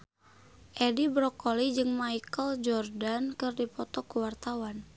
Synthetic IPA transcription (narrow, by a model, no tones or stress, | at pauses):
ʔedibɾɔkɔlid͡ʒɨŋmaikəld͡ʒɔrdankɨrdipɔt̪ɔkuwart̪awan